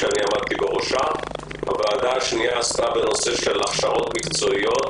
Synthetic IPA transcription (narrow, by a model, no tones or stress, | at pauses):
eaniamad̪̚t̪ibeʁo̞ʃa | a̰vaːd̪aːʃnijaːst̪abe̞no̞se̞ʃe̞laχʃaʔo̞t̪mikt͡so̞ijo̞t̪